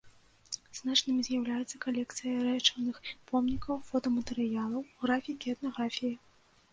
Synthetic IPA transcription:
znat͡ʂnɨmʲizʲjawlʲajut̪sːɐkalʲɛkt̪sɨjɐɾɛt͡ʂɐnɨxpʰɔmnʲikɐwfɔt̪ɐmɐt̪ɛɾɨjalˠɐwɣɾafʲikʲiɛt̪nɐɣɾafʲiji

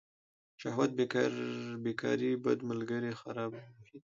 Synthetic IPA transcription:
ʃahwat̪̚bekbekʰɑ̰ɾibad̪məlɡəɾexaɾɑbmʊhid̪

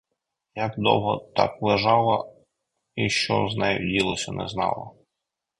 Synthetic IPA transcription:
jɐkd̪ɔwɦɔt̪ɑklˠeʒɑlˠɐ | iʃt͡ʃɔznɛjdʲilˠɔsʲɐnɛ̰znɑ̰lˠɐ

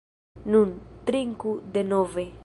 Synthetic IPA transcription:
nũnt̪ɾiŋkud̪enɔve

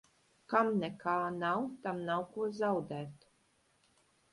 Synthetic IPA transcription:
kamnʲɛkaːnawt̪amnawkuɔzawd̪ɛːt̪

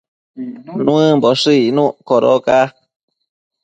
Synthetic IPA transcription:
nũɨ̃mboʂɨinũʔkoɾo̰ka

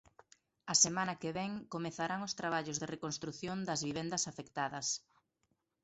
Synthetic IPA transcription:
ɐsemãnɐkeβɛŋkomeθaɾaŋʊst̪ɾaβ̞aʎʊzðerekonst̪ɾuθjond̪ɐzβiβ̞ɛnd̪ɐsafekt̪aðɐs

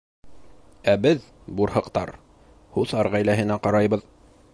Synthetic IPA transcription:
æbɘð | buɾhɤ̆qt̪ɑ̰ɾ | huθɑɾʁæjlæɦɘ̆næqɑɾɑjbɤð

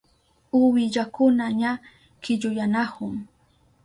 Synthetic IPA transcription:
ʊwɪʎakʊnaɲa | kɪʎʊjanahʊŋ

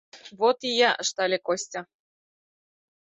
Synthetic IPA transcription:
βot̪ijɑʔə̆ʃt̪ɑlʲekosʲtʲɑ

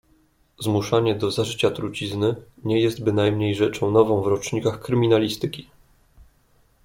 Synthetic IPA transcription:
zmuʂaɲɛd̪ɔzaʐɘt͡ɕat̪ɾut͡ɕiznɘɲɛjɛst̪bɘnajmɲejʐɛt͡ʂɔ̃w̃nɔvɔ̃w̃vɾɔt͡ʂɲikaxkɾɘmʲinalʲist̪ɘkʲi̥

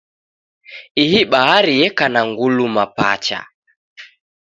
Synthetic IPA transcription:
iɦiɓaɦaɾiɛkanaŋɡulumapa̰t͡ʃa̰

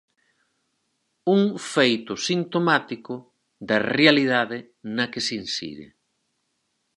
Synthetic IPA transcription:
uŋfejt̪ʊsint̪omat̪ikʊ | ðɐrealiðaðɪ | nɐkɪsinsḭðɪ̰

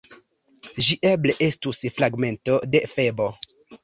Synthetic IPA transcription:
ʒiʔeble̞ʔe̞stusfɾaɡme̞nto̞de̞fe̞bo̞

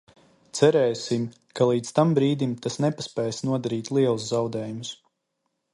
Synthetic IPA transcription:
t̪sɛɾɛjsim | kalˠiːt̪st̪ambɾiːd̪imt̪asnɛpaspɛːjsnuɔd̪aɾiːt̪lˠiɛlˠuszawd̪ɛːjumus

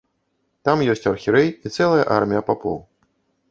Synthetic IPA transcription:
t̪amjɔsʲt͡sʲɐrxʲiɾɛjit̪sɛlˠɐjɐʔarmʲijɐpapɔ̰w

